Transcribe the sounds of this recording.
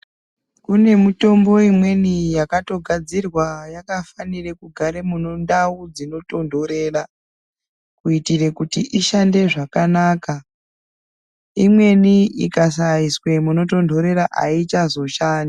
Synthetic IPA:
kune̞muto̞mbo̞imwe̞nijakato̞ɡʱad͡zirwajakafanire̞kuɡʱaɾe̞munondaud͡zino̞to̞ndʱo̞ɾe̞ːra | kuitire̞kutiʔiʃande̞ʐakanaːka | imwe̞niikas̬aiswe̞muno̞to̞ndʱo̞ɾe̞ɾaʔa̰it͡ʃazo̞ʃaːna

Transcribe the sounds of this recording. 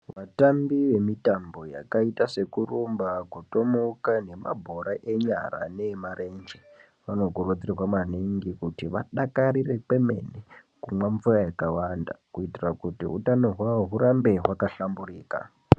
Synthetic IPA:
ʋatambiʋe̞mitambo̞ja̰kaitase̞kurumbakuto̞mokane̞ma̰bʱo̞ɾaʔe̞ɲa̰ra̰nemarend͡ʒe | ʋano̞kurod͡zirwamaniŋɡikutiʋa̰ɗakaɾire̞pe̞me̞̰ne | kumwaɱvurajakawanda̰kuitirakutḭɦṵtano̞ɦwaoɦuɾambe̞ɦwakaɬamburiːka̰

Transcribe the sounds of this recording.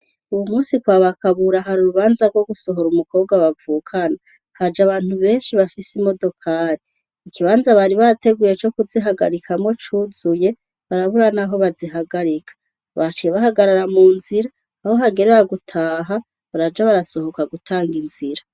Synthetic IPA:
uwumuːsikwaːβakaβuɾaɦaɾuɾuβaːnzaɾɡwo̞ɡuso̞ɦo̞ɾumuko̞ːβɡwaβavuːkʰana | had͡ʒaβaːn̥huβe̞ːnʃiβafisimo̞do̞kʰaːɾiː | kiβaːnzaβaɾiβate̞ɡuːje̞t͡ʃo̞kuziɦaɡa̰ɾikʰamo̞t͡ʃuːzuje̞ | βaɾaβuɾanaɦo̞βaziɦaɡaɾikʰḁ | βat͡ʃijeβahaɡaɾaɾamuːnziɾaː | ho̞ɦaɡe̞ɾeɾaɡutʰaːɦa | βaɾad͡ʒaβaɾaso̞ho̞kaɡutʰaːŋɡinz̥iɾa

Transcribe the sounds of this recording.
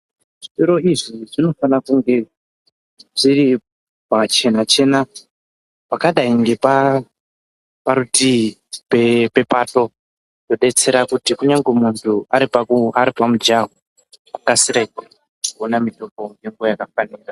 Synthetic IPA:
ʐitoɾo̞iʐiʐino̞fanakuŋɡe̞ | ʐ̥iri | pat͡ʃe̞nat͡ʃe̞ːna | pakaɗaiŋɡe̞pa | paɾutipepe̞pato̞ | do̞ɗe̞t͡se̞ɾakutikuɲaŋɡwemuntʰuaɾipaaɾipamud͡ʒaɦo | kakasiɾekwa | ionamito̞poŋɡeŋɡojakafaniːɾa

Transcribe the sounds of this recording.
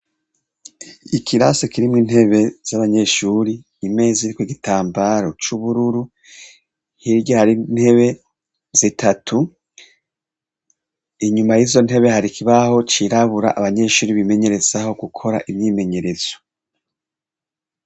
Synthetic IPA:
ikʰiɾasekiɾimŋiːnhe̞βe̞z̥aβaɲe̞ʃuɾiː | me̞ːziɾikwoɡitaːmbaɾo̞t͡ʃuβuɾuɾu | hiɾjohaɾin̥he̞βe̞ | z̥itʰatʰu | iɲumajizo̞n̥he̞βe̞haɾikʰiβaho̞t͡ʃiɾaβuɾa̰ʔaβaɲe̞ʃuːɾiβime̞ɲe̞ɾe̞z̥aho̞ɡukʰo̞ɾa̰ʔimɲime̞ɲe̞ɾe̞z̥o̥

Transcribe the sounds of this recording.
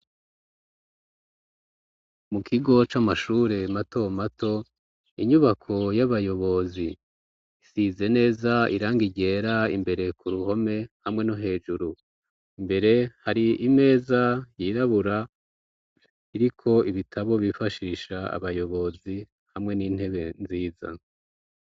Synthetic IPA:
mukʰiɡo̞t͡ʃamaʃuːɾe̞mato̞matʰo̞ | iɲuβakʰo̞jaβajo̞βo̞zi | isize̞ne̞ːzaḭɾaːŋɡiɟe̞ːɾaḭmbe̞ɾe̞kuɾuho̞me̞hamŋe̞no̞ɦe̞ːʒuɾu | imbe̞ɾe̞haɾiime̞ːzajiɾaβuɾa | iɾikʰo̞iβitʰaβo̞βifaʃiːʃaa̰βajo̞βo̞zi | hamŋe̞niːn̥he̞βe̞nziːza̰

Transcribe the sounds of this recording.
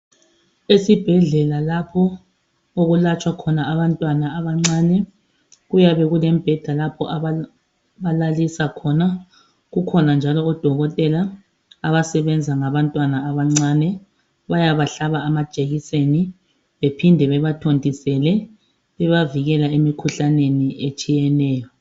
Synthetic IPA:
esib̥ʱɛɮɛlalapʰɔ | oɣulat͡ʃʼwakʰɔnaaβantʼwanaːβaŋ͡ǀaːnɛ | ɣujaβɛɣulɛm̩b̥ʱɛd̥ʱalapʰɔ̰ʔa | βalalisakʰɔna | ɣukʰɔnand͡ʒʱalɔɔd̥ʱɔɣɔtʼɛla | aβasɛβɛnd͡zʱaŋaβantʼwanaːβaŋ͡ǀaːnɛ | βajaβaɬaβaːmḁt͡ʃʼeɣiseni | βepʰindʱɛβɛβatʰondʱisɛlɛ | βɛβaviɣɛlaemikʰuɬaneniʔet͡ʃʼijɛnɛːjɔ

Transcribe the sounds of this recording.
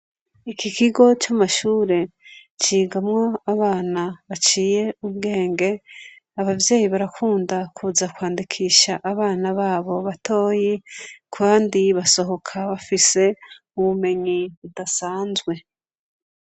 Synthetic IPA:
ikikiɡo̞t͡ʃamaʃuːɾe̞t͡ʃiːɡamŋo̞aβaːnaβat͡ʃiːje̞uβɡe̞ːŋɡe̞ | aβavje̞ːjiβaɾakʰuːndakʰuːzakwaːndikʰiːʃaʔaβaːnaβaːβo̞βatʰo̞ːjikʰwaːndiβaso̞ɦo̞kʰaβafise̞ | uβume̞ɲiβudasaːnzɡwe̞

